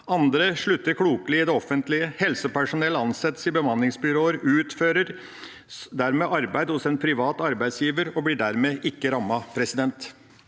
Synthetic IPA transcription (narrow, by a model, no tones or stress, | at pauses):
ɑnd̪ɾəʂɭʉt̪ːəɾkʰɽuːklɪɪd̪ɛɔfənt̪lɪəhɛlsəpæʂʊnɛləɑnsɛt̪ːsɪbəmɑnlɪŋsbʏɾoːəɾʉːt̪føːɾəɾ | d̪æɾmeːʔɑɾbæɪd̪hʊsɛnpʰɾɪʋɑːt̪ɑɾbæɪsjiːʋəɾɔblɪɖæɾmeːʔɪkːəɾɑmːɑpʰɾɛsɪd̪ɛnt̪